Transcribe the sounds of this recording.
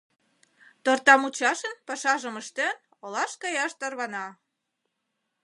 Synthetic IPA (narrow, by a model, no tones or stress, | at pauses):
t̪ort̪ɑmut͡ɕɑʃənpɑʃɑʒəməʃt̪en | olɑʃkɑjɑʃt̪ɑrβɑnɑ